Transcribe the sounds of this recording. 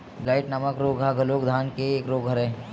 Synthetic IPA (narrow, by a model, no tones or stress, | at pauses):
blaːɪʈnəməkɾoːɡʱaɡʱloːkd̪ʱaːnkeːkɾoːɡʱəɾẽː